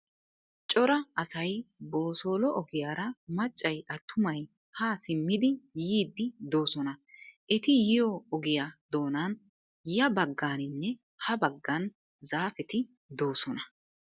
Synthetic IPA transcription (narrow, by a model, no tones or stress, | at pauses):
t͡ʃʼɔɾɐɐsɐjbo̞ːso̞ːlɔʔɔɡɪjaːɾɐmɐt͡ʃʼːɐjʔɐt̪ʰːʊmɐj | haːsɪmːɪd̪ɪjiːd̪ːɪd̪o̞ːsɔnɐʔɛt̪ɪjɪjɔɔɡɪjad̪o̞ːnɐn | jɐbɐɡːaːnɪnːɛ | hɐbɐɡːɐn | zaːfɛt̪ɪ | d̪o̞ːsɔnɐ